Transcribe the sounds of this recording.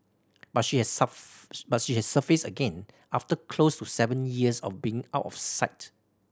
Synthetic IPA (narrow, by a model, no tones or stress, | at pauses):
b̥atʃihɛs | batʃihɛssəfesəɡɛ̃n | aftəkʰlostusɛvə̃njiəsɔ̰fbiɪ̃ŋa̰ʊtɔ̰fsaɪt